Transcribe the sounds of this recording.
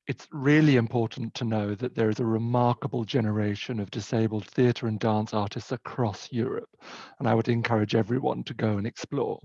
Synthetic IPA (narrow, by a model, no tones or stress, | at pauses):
ɨtsɹɪlˠiɨ̃mpʰɔˑɹʔn̩tʰənoʊðɨt̪̚ðə˞ɨzəɹɪmɑɹkəbəl̩ˠd͡ʒɛnə˞eɪʃɨ̃nʌvdɨseɪbl̩ˠd̪̥̚θiɨɾə˞ɨ̃ndæ̃nsɑɹɾɨstsəkʰɹ̥ɔsjɔɹɨ̰p̚ə̃naɪwɨɾɨ̃nkʰʌɹɨd͡ʒɛvɹiwʌ̰̃ntʰɨɡoʊə̃nɨksplɔ̰ːɹ